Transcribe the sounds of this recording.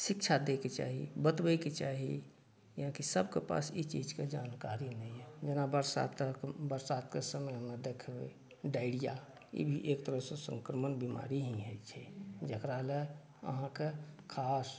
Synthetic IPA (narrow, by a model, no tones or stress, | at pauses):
sɪkt͡ʃʰad̪eket͡ʃa̰ɦḭbət̪bəket͡ʃaɦḭ | jɦãkisəbʱkepa̰sit͡ʃid͡ʒked͡ʒaːnkaɾinɛɦɛd͡ʒənabəɾsa̰t̪əkbəɾsad̪kesəmmed̪ekʰbḛ | ɖaɪɽija | ḭbʱiʔekt̪əɾəɦsẽsə̃ŋkɾəmənbima̰ɾiɦĩɦət͡ʃʰɛd͡ʒəkɾale | ə̰ɦãkekʰas